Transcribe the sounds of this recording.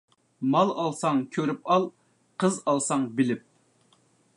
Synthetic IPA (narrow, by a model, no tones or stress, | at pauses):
mɑlˠɑlˠsɑŋkʲʰøɾypɑlˠ | qʰəzɑlˠsɑŋbɪlɪp̚